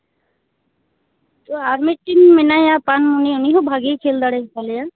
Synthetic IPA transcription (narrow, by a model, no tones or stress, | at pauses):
t̪oaɾmiʈinmɪnajapanuniʊniɦobʱaɡikʰeld̪aɽekaleja